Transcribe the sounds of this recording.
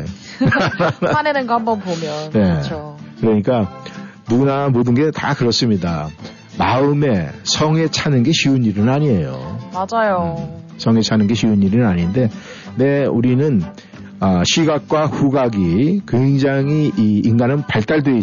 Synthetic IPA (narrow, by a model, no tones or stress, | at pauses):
anenɯnɡambʌnpomjʌnne̞okɯɾʌɲik͈anuɡunamodɯnɡe̞ta̰kɯɾʌs͈ɯmɲida | maɯme̞sʰʌŋe̞t͡ɕʰanɯnɡe̞ɕʰiuɲiɾɯnnaɲie̞jo̰mad͡ʑajo | sʰʌŋe̞t͡ɕʰanɯnɡe̞ɕʰiuɲiɾinaɲinde̞ | ne̞uɾinɯn | ʌɕʰiɡak̚k͈waɸuɡaɡikweŋd͡ʑaŋiiːnɡanɯnpaɭt͈aɭdwei